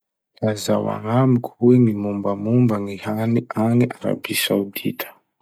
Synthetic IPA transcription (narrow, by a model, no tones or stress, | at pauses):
lazawa̰ŋamikʰuiŋimumbamumbaŋihaniʔaniʔaɾa̰bisawditʰḁ